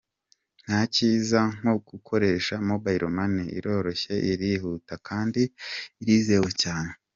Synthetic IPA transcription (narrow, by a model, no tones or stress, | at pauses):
n̥haciːzaŋ̥oɡ̥ukʰo̞ɾe̞ːʃamobajɾomaniḭɾo̞ːɾo̞çe̞ʔiɾihutakʰaːndiːɾiːzewecaːne